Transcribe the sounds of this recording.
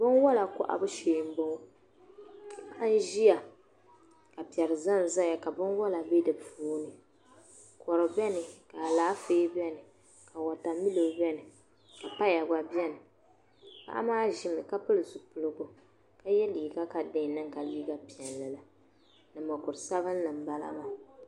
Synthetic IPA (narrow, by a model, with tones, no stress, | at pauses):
bɨ˦nwɔ˦la˨kʊ̰˦ʔa̰˨bɨ˦ʃe˨m˦bɔ˦˨ | ba˦ʔa˦n̩˦ʒi˦ja˨ | ka˨pi˨ɛ˨ɾɨ˨za˦n˨za˦ja˨ka˨bɨ˦nwɔ˦la˨be˦dɨ˨puː˦nɨ˨ | kɔ˨ɾo˨bɛ˦nɨ˨ka˨laː˦feː˦bɛ˦nɨ˨ | ka˨wa˨ta˨mi˦lo˨˦bɛ˦nɨ˨ | ka˨pa˦ja˨ɡa˦bɛ˦nɨ˨ | ka̰˦ʔa̰˦maː˦ʒɪ˨mɨ˨ka˦pɨ˦lɨ˨zu˨pʊ˨lɨ˨ɡo˨ | ka˦jɛ˦liː˨ɡa˦ka˨dɪ˦˨nɨ˦ŋka˨liː˦ɡa˦pi˨ɛ˨n˨lɨ˨la˨ | nɨ˨mɔ˨kʊ˨ɾɨ˨sa˦βɨ˦n˦nɨ˨m̩˨ba˦la̰˦ma˦